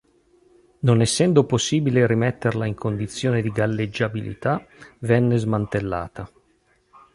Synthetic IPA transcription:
nonɛsːɛnd̪oposːiːbileɾimɛt̪ːerlaiŋkʰond̪it̪sːjoːned̪iɡalːed͡ʒːabilḭt̪avɛnːezmant̪elːa̰ːt̪a

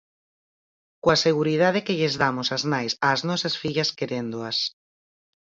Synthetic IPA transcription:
kwaseɣuɾiðaðekeʎezðamosaznajsaːznɔsɐsfiʎɐskeɾend̪oas

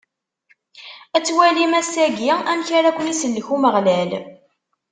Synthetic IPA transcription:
æt͡sːwælimæsæɡiæmçaɾakʷənisəlːəçuməʁlæl

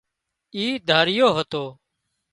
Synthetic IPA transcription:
iːd̪ʱaːɾɪjoːɦət̪oː

